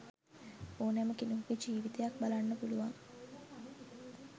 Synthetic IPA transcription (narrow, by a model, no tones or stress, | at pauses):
oːnaməkinuɦukid͡ʒiːʋit̪ejak̚balanːəpuluʋaŋ